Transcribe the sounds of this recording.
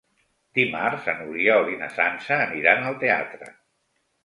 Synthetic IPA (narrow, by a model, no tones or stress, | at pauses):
d̪̥imarzənuɾiaoɾina̰sansəːniɾanəlˠt̪ea̰t̪ɾə̰